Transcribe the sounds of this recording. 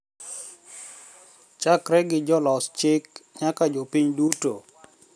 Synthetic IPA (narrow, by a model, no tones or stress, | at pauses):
t͡ʃakɾɛɡɪd͡ʒɔlɔst͡ʃɪkɲakad͡ʒopiɲduto